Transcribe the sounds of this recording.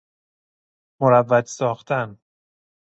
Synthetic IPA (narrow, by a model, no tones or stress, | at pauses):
moɾævːæt̪sɒːxt̪ʰæn